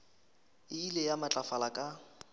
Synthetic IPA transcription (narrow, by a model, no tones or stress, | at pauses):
ɪilejamat͡ɬʼafalakʼa